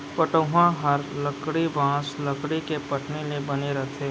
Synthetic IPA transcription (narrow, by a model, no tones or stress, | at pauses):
pəʈoɦãɦɐɾləkɽibãːsləkɽikepɐʈnelebɐneɾɐɦt̪ʰeː